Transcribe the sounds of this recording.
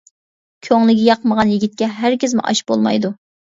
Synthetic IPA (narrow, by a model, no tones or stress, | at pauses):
kʲʰøŋlˠɪɡʲijɑqʰəməʁɑnjiɡʲit̪̚kʲɛɦæɾkʲɪzmʊ̰ʔɑ̰ʃbo̰lˠmɑ̰jd̪u